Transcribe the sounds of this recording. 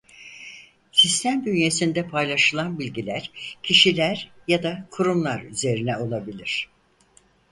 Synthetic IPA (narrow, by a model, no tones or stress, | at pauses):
sist̪ʰæmd̪ynje̞sind̪ɛpʰajlˠaʃɯlˠanbilʲɟilʲæɾ̥cʰiʃilʲæɾjad̪akʰuɾumlˠaɾyze̞ɾinɛo̞lˠabilʲiɾ̝̥